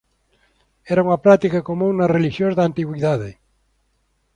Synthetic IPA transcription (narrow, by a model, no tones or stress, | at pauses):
ɛɾauŋɐpɾat̪ikakomũŋnɐreliʃjõzðant̪iɣwiðaðe